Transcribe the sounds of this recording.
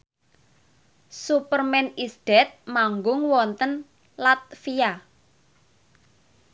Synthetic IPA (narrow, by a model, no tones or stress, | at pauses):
supərmɛnisd̪̥ɛt̪̚maŋɡʊŋwɔnt̪ən | lat̪̚fija